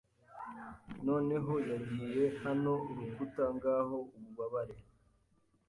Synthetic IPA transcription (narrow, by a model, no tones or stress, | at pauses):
no̞ːne̞ɦo̞jaɟiːje̞hano̞uɾuɡutaŋɡaːho̞uβuβaβaɾe